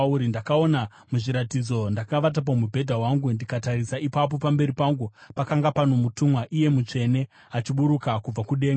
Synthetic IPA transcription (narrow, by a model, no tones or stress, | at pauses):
uɾindakao̞na | muʐiɾatid͡zo̞ndakaʋat̬ap̬omubʱe̞dʱawaŋɡundikatarisaʔipap̬o̞pambe̞ɾipaŋɡupakaŋɡapano̞mutumwaʔije̞mut͡ʂe̞ne̞ | at͡ʃiɓuɾukakub͡vakuɗe̞ːŋɡ